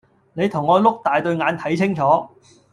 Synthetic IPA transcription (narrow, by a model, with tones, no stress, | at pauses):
ne˨˧jt̪ʰʊ˨˩ŋːɔː˨˧lʊ˥k̚t̪aː˨jt̪ɵ˧ɥŋaː˨˧nt̪ʰɐ˨˥jt͡sʰɪ˥ŋt͡sʰɔː˨˥